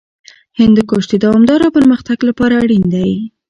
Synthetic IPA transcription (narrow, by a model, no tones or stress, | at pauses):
hɪnd̪əkoʃd̪əd̪awɑmd̪ɑɾapəɾməxt̪aɡlapɑɾaːɽind̪aj